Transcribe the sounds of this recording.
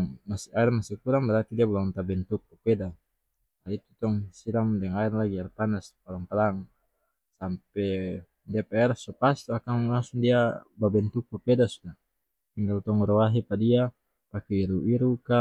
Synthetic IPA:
ŋmasiaɛrmasikuɾaŋbɛɾart̪idiabulaŋnt̪abɛnt̪uk̚papɛda | ait̪ut̪ɔŋsiɾaŋdɛŋaɛrlaɡiarpanaspalaŋpalaŋ | sampɛ | diapɛɛrsɔpast̪ɔakaŋlaŋsuŋdiababɛnt̪uk̚papɛdasuda | t̪iŋɡalt̪ɔŋɾɔwaɦipadia | pakɛiɾuiɾuka

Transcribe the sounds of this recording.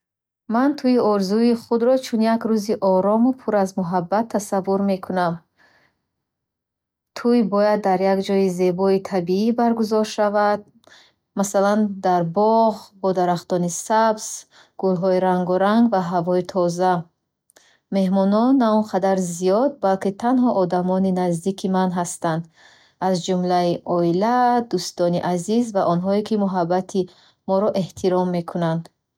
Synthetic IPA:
mant̪ʰujiɔɾzuiχud̪ɾɔt͡ʃʰunjakɾuziʔɔɾɔmupʰuɾazmuɦabːat̪ʰːasavːuɾme̞kʰunam | t̪ʰujbɔjad̪ːaɾjaɡd͡ʒɔize̞bɔit̪ʰabiibaɾɡuzɔɾʃavad̪̚ | masaland̪aɾbɔʁbɔd̪aɾaχt̪ɔnisabz̥ | ɡ̥ulɦɔiɾaŋɡɔɾaŋɡvaɦavɔit̪ʰɔza | me̞hmɔnɔnːaɔnqʰad̪aɾzijɔd̪̚balkit̪ʰanɦɔʔːd̪amɔninazd̪ikʰimanɦast̪and̪ | azd͡ʒumlaiʔɔilad̪ust̪ɔniʔazizvaʔɔnɦɔekimuɦabːat̪ʰi | mɔɾɔʔe̞ht̪ʰiɾɔmːe̞kʰunand̪

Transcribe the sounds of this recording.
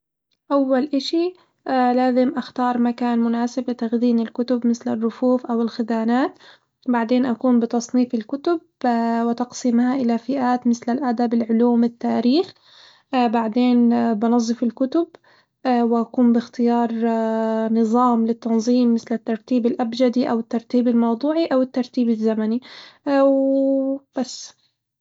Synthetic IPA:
ʔawːalʔaʃi | laːzɪmʔaxt̪ɑːɾˤmakaːnmʊnaːsɪblɪt̪aɣd̪iːnɪlkʊt̪ʊbmɪθlɪrːʊfuːfʔawɪlxɪd̪aːnaːt̪ | baʕd̪eːnʔakuːmbɪt̪ɑsˤniːfɪlkʊt̪ʊb̚ | wɪt̪ɑqsiːmhaʔɪlafɪʔaːt̪mɪθlalʔad̪abɪlʕʊluːmɪt̪ːaːɾiːx | baʕd̪eːnbɑnɑzˤːɨfɪlkʊt̪ʊb | wɪʔakuːmbɪxt̪ɪjɑːɾˤ | nɨðˤɑːmlɪt̪ːɑnzˤiːmːɪθlɪt̪ːɑɾˤt̪iːbɪlʔabd͡ʒad̪iʔawɪt̪ːɑɾˤt̪iːbɪlmɑwd̪ˤuːʕiʔawɪt̪ːɑɾˤt̪iːbɪzːamaniw | b̥asː

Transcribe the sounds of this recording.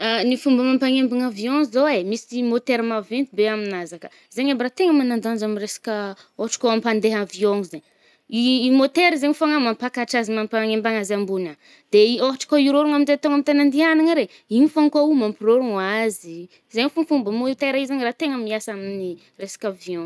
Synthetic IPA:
anifumbəmampaŋembaŋavioŋzoemisimot̪eɾmavent̪ibeaminazakə̥ | zeɲambirat̪eŋəmanand̪and͡ʒaminresḁkə | ohaʈ͡ʂḁkoampand̪eɦavioŋzeɲː | mot̪eɾizeɲifaŋamampakaʈ͡ʂazimampaŋembaŋazambuna | d̪̥eioɦaʈ͡ʂḁkoiɾoɾuŋaminzet̪oŋamit̪anand̪ianaŋaɾe | inifaŋkaumampiroɾuŋazi | zeɲifuŋfumbəmot̪eɾaizaɲrat̪eŋəmiasamini | resḁkʲavjõŋ

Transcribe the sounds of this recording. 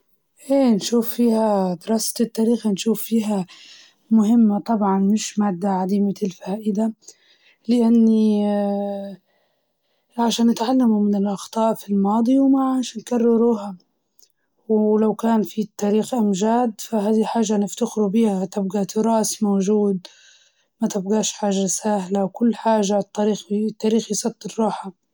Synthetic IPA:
ʔeːnʃuːfːiːhad̪ɾˤɑːst̪ɪt̪ːaːɾiːxanʃuːfːiːɦa | mʊɦɪmːat̪ˤɑbʕɑnmɪʃmaːd̪ːaʕad̪iːmaɪlfaːʔɪd̪a | lɪʔanːi | ʕaʃaːnːɪt̪ʕalːamumɪnɪlʔɑxt̪ˤɑːʔfilmɑːd̪ˤiwmaʕaːʃnkarˤːɪɾuːha | wlawkaːnfit̪ːaːɾiːxʔamʒaːd̪faɦaːd̪iħaːʒːanɪft̪akɾubiːhat̪ɪb̚ɡat̪ɪɾˤɑːsmoːʒuːd̪̚ | mat̪ɪbɣaːʃħaːʒasahlawkʊlːħaːʒat̪ːaɾiːxt̪ːaːɾiːxjsˤɑt̪ˤːɪɾːuːħa

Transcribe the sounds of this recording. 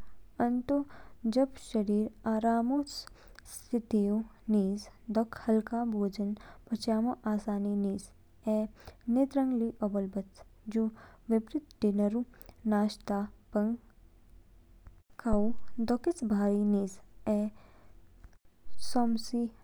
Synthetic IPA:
ɐnt̪od͡ʒɐbʃɐɾiːɾaːɾaːmosst̪ʰɪt̪ijo | niːzd̪ɔkʰhɐlkaːbʱoːd͡ʒɐnpɐt͡ʃjaːmoʔaːsaːniniːz | ɛnet̪ɾɐ̃ŋɡliʔobɐlbɐt͡sd͡ʒuʋɪbɾɪt̪̚ʈinɐɾunaːʃt̪aːpɐŋɡ | kʰawd̪ɔkɪt͡sbʱaːɾiniːzɛː | sɔːmsi

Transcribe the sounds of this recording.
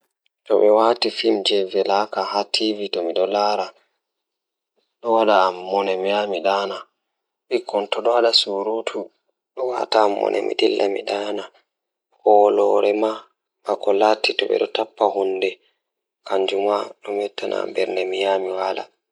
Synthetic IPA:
tɔɓɛwatifimd͡ʒɛvɛlakahatʰivitɔmiɗɔlaːɾa | ɗɔwaɗaːmːɔnɛmijamiɗaːna | ɓikʰːɔntɔɗɔwaɗasuɾutʰu | ɗɔwa̰taːmːɔ̰nʔɛ̰mḭɗilːʔamiɗaːna | hɔlɔɾɛma | makɔlatːitɔɓɛ̰ɗɔtapːahundɛ | kaɲd͡ʒumaɗɔmɛtːana̰mbɛɾnɛmijaːmiwala̰

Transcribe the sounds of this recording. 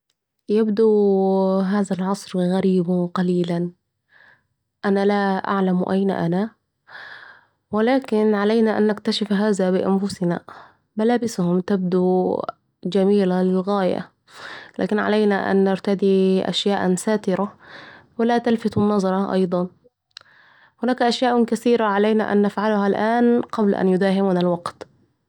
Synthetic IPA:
jabd̪u | ɦaːðalʕɑsˤɾɣaɾiːbqɑliːlan | ʔanalaʔa̰ʕlamʔajna̰ʔana | wɪlaːkɪnʕalajnaʔa̰nːɪkt̪aʃɪfɦaːðabɪʔanfʊsɪna̰ | malaːbɪshʊmt̪ab̚d̪u | d͡ʒamiːlalɪlɣaːja̰ | la̰ːkɪnʕa̰lajnaʔa̰nːɪɾt̪ad̪iʔa̰ʃjaːʔsaːt̪ɪɾawɪlat̪alfɪt̪ʊnːɑzˤɑɾˤɑʔɑ̰jd̪ˤɑn | hʊnaːkʔaʃjaːʔkaθiːɾaʕalajna̰ʔa̰nːafʕalʊhalʔaːnqɑbl̰ʔa̰njʊd̪aːɦɪmuːnalwɑqt̪

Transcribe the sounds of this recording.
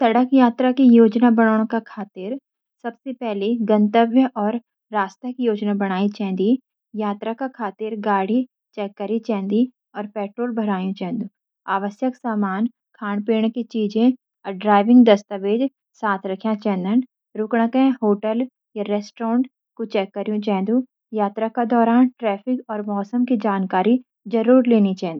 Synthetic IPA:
sɐɽəkjaːt̪ɾakijoːd͡ʒnabɐɽ̃aːɽ̃kakʰaːt̪ɪɾ | sɐbsepɛɦleɡɐ̃nt̪əbjəʔɔːɾː | aːst̪əkijoːd͡ʒnabɐɽ̃aːit͡ʃɛ̃ːnd̪i | jaːt̪ɾakakʰaːt̪ɪɾɡaːɽ̤i | t͡ʃɛːkːəɾit͡ʃɛ̃ːnd̪i | ɔːɾpɛːʈɾoːlbʱɐɾaːjũt͡ʃɛ̃ːnd̪ũ | aːʋəsjəksaːmaːn | kʰaːnpeːɽ̃kit͡ʃiːd͡ʒẽ | ɖɾaːɪʋɪ̃ŋɡd̪ɐst̪əʋeːd͡ʒ | saːt̪ʰɾɐkʰjãt͡ʃɛ̃ːnd̪ən | ɾʊkɽ̃akẽɦoːʈəl | jaɾɛːsʈɾɔːɳɖ | kot͡ʃɛːkːɐɾjũt͡ʃɛ̃ːnd̪ũ | jaːt̪ɾakad̪ɔːɾaːnʈɾɛːpʰɪkɔːɾmɔːsəmkid͡ʒaːnkaːɾi | d͡ʒɐɾuːɾleːnit͡ʃaɦnd̪i

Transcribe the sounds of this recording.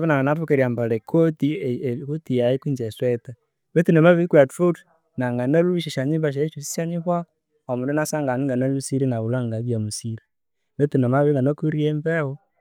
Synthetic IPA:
βenaŋɡanatukeɾiambalekʰotikutijajikwiɲd͡ʒesweta | βetinomaβikwatɾud | naŋɡanaluiʃeʃaɲiβaʃ̬aeʃusi̥ʃaɲiβwa | omuɾenasaŋɡaniŋɡanalusiɾinaβulwaŋɡaβjamusiɾi | βetinomaβeŋɡanokuɾieɱvewo

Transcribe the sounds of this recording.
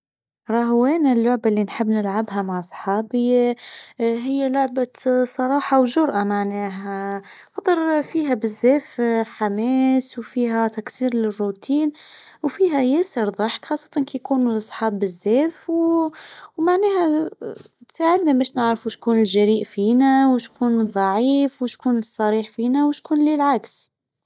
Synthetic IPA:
ɾˤɑɦwɛːnælːʊʕbalːinħɪbːnɪlʕabɦæmaʕsˤħɑːbi | ɦɪjːælʊʕbasˤɑɾˤɑːħɑwʒʊɾʔamaʕnɛːɦæ | fɑt̪ˤɑɾˤfiːɦæbɪzːɛːfħamɛːswfiːɦæt̪æksiːɾlɪrːut̪iːnwfiːɦæjæːsəɾðˤɑħkxɑːsˤːɑ̥t̪ˤɑnkijkuːnlʔɑsˤħɑːbːɪzːɛːfw | maʕnɛːɦæ | t̪saːʕɪd̪nabæːʃnɪʕɾfuʃkuːnɪlʒæɾiːʔfiːnæwʃkuːnðˤɑʕiːfwʃkuːnɨsˤːɑɾiːħfiːnæwʃkuːnlɪlʕaks

